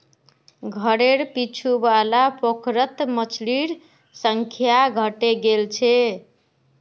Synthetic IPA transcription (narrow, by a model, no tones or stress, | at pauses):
ɡʱəɾeɾpit͡ʃʰubalapokʰɾət̪mət͡ʃʰliɾ | səŋkʰjaɡʱəʈeɡelt͡ʃʰe